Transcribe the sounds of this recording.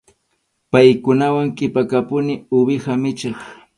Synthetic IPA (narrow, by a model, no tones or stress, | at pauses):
pajkʊnawaŋkʼɪpakapʊnɪʊbɪhamɪt͡ʃɑχ